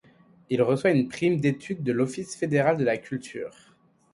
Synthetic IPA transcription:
ilʁəswaynpχimd̪et̪ʰyd̪ːəlɔfisfed̪eʁald̪əlakʲylt̪ʰy̰ːʁ

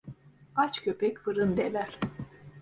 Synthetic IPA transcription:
at͡ʃcʰøpɛcfɯɾɯnd̪elʲæɾ̥

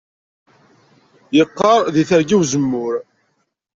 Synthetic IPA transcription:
jəqːɑɾˤðiθəɾɡiwzəmːʊɾ

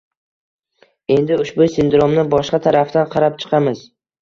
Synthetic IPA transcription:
e̞nd̪ɪʊʃbʊsɪnd̪ɾomnɪbɒʃqɑt̪ʰaɾaft̪anqʰɑɾapt͡ʃʰɨ̥qʰɑmɪz̥

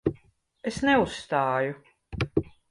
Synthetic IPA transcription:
esnɛusːt̪aːju

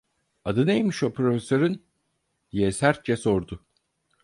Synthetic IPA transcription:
ad̪ɯnejmiʃopʰɾofesøɾɯn | d̪̥ijɛsæɾt̪̚d͡ʒɛso̞ɾd̪ʊ

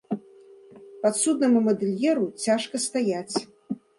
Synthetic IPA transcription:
pɐt̪sud̪̚nɐmumɐd̪ɨlʲjɛɾut͡sʲaʂkɐst̪ajat͡sʲ

